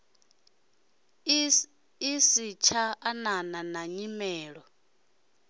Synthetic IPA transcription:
isit͡ʃʰaanananaɲimɛːɺɔ

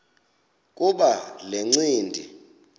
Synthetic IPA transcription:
kʼuɓaleŋ͡ǀiːndʱi

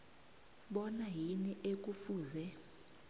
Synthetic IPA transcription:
ɓɔnaɦiniʔek̬ufuːzɛ

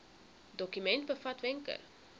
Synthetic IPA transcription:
dɔkymɛntbəfɐtvɛŋkə̰r

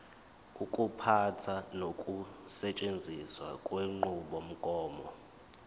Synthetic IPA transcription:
ukʼupʰatʰanokʼusɛt͡ʃʼend͡zʱiswa̰kʼweŋ͡ǃuɓom̩kʼɔːmɔ

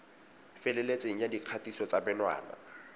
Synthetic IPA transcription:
fɪlɛlet͡sʼeŋ̩jadiq͡χʰatʼisɔt͡sʼabɛnwa̰ːna̰

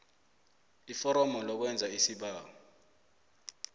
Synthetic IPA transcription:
ifɔɾɔmɔlɔk̬wɛnd͡zʱaisiɓaːɔ

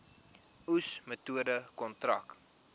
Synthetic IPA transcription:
usmətuədəkɔntrɐ̰k

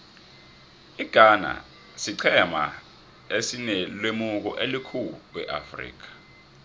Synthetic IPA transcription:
iɡ̥ʱana̰ | siǀʰɛma̰ | esinɛlwemuk̬ɔ̰ʔelikʰuɓwɛ̰ʔa̰frḭːk̬ḁ

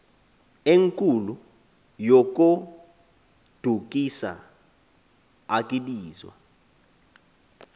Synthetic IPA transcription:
eŋkʼulu | jok̬ʼu | d̥ʱukʼisa̰ | akʼiɓiːzwa̰

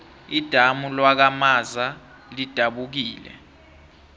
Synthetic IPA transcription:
id̥ʱamulwak̬amaza | lid̥ʱaɓuk̬iːlɛ̰

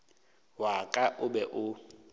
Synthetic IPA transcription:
wakʼaʔʊbɛʔʊ

